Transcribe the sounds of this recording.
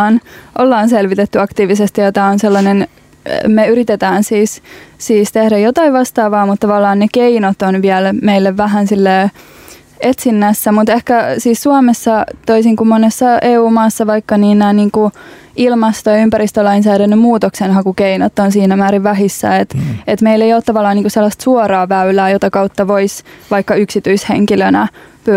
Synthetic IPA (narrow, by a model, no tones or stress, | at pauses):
nʔolːɑːnselʋit̪et̪ːyɑkt̪iːʋisest̪ijot̪ɑonselːɑnen | meyɾit̪et̪æːnsiːssiːst̪ehdæjot̪ɑiʋʋɑst̪ɑːʋɑːmut̪t̪ɑʋɑlːɑːnnekeinot̪onʋiælmeilːeʋʋæɦænsilːeː | et̪sinːæsːæmut̪ehkæsiːssuɑmesːɑt̪oisiŋkumːonːesːɑeːuːmɑːsːɑʋɑikːɑniːnnæːniːŋku | ilmɑst̪ojɑympæɾist̪ølɑinsæːɾænːymmuːt̪oksenɦɑkukeinot̪ːonsiːnæmæːɾiʋʋæɦisːæ̰et̪et̪meilːejoːt̪t̪ɑʋɑlːɑːniːkuselːɑst̪suorɑːʋæylæːjot̪ɑkɑut̪ːɑʋoisʋɑikːɑyksit̪yishḛŋkilønæpy